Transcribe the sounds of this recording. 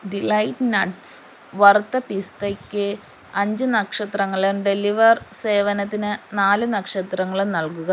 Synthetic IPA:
ɖilɐjʈnɐʈs | ʋɐrt̪ːɐpist̪ekʲːɨ | ɐɲd͡ʑɨnɐkʂɐt̪rɐŋːɐɭumɖeliʋɐrse̞ːʋɐnɐt̪ːinɨnaːlɨnɐkʂɐt̪rɐŋːɐɭumnɐlkuɣɐ

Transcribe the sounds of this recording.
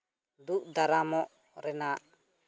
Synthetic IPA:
d̪uʔd̪aɾamɔʔ | ɾɛnaʔ

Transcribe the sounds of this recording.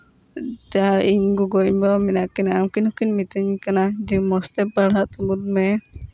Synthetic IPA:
d͡ʒaaʔiɲɡuɡɔɲbɔminaʔkinaamkinhukinmit̪əɲkanad͡ʒimɔst̪ɛpaɽaʔt̪ɔbuɾmɛ

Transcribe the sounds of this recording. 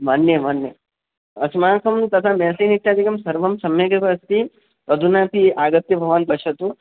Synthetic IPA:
mɐnjɐmɐnjɐ | ɐsmaːkʰɐmt̪ɐt̪ʰameːsiːnit̪ːjaːd̪ʱikɐmsɐɾʋɐmsɐmjɐɡɾɐbɐɐst̪i | pɐd̪ʱunaːpiaːɡɐt̪jɐbʱɐʋanpɐʃɐt̪u

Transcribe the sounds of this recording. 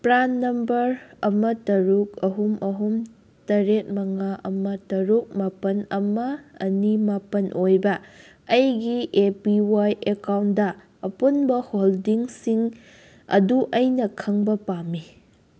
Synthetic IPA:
pɾanːɐmbɐɾɐmɐtɐɾuk̚ɐɦumɐɦum | tɐɾet̚mɐŋaʔɐmɐtɐɾuk̚mapɐnɐmɐɐnimapɐnʔojbɐː | jɡiʔepiwajekawndɐː | punbɐholdiŋsiŋ | ɐ̰duʔɐjnɐkʰɐŋbɐpamːi

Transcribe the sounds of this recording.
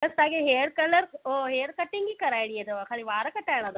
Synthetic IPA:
t̪ɐst̪ãːkʰeɦeːɽkɐləɾoːɦeːɽkɐʈɪ̃ŋɡikɐɾaːɪɽiet̪oakʰaːliʋaːɾkɐʈaːɪɽ̃ãd̪o

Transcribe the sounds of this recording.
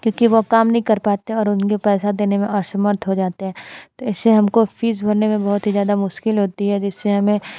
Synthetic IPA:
kjõːkiʋokaːmnɐɦĩkɐɾpaːt̪eɦɛ̃ɔːɾʊnkepɛːsad̪eːnemẽɔːɾsɐməɾt̪ʰɦod͡ʒaːt̪eɦɛ̃t̪oɪsːeɦɐmkofiːzbʱɐɾnemẽbɐɦʊt̪ɦizjaːd̪amʊʃkɪlɦoːt̪iɦɛd͡ʒɪsːeɦɐmẽ

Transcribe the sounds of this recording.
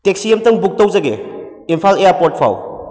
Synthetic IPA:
tek̚siemtɐŋbuk̚tɐwzɐɡḛ | impʰalejaɾpoɾt̚pʰa̰w

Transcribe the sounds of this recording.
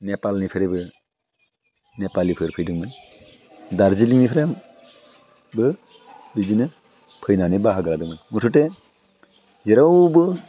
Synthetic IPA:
nɛpalnipʰeɾɛbɯ | nɛpalipʰɯɾpʰɯjdɯŋbɯn | daɾd͡ʒiliŋnipʰɾem | bɯ | bid͡ʒinɯ | pʰɯjnanebaɦaɡaladɯŋmɯnmutʰute | zeɾawbɯ

